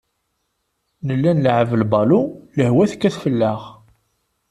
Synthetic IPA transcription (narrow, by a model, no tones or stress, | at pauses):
nəlːænlʕəvəlbɑluləhwæθkːæθfəlːaʁ